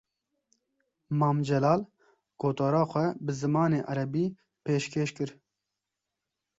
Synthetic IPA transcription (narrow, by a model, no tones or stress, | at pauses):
mɑːmd͡ʒɛlɑːl | ɡ̥oːt̪ɑːɾɑːxʷɛbɨzɨmɑːneːʔaɾɛbiː | peːʃkʰeːʃkɨɾ